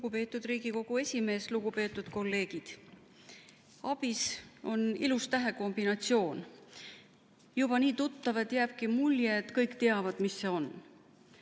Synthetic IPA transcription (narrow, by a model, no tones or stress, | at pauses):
luɡupe̞ːt̪ːˑud̪ɾiːɡ̥iko̞ɡ̥ue̞sʲime̞ːsluɡ̥upe̞ːt̪ːˑud̪̥ko̞lːe̞ːɡ̥id̪̥ | ɑb̥iso̞nilust̪æɦe̞ko̞mb̥inɑt̪sio̞ːn | jub̥ɑniːt̪ut̪ːɑvet̪jæːb̥̚kimuljet̪kɤjkt̪e̞ɑvɑd̪̥misːe̞o̞n